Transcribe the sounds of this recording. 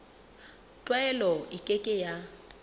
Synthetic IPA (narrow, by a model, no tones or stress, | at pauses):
tʼwɛlɔɪkʼekʼɪja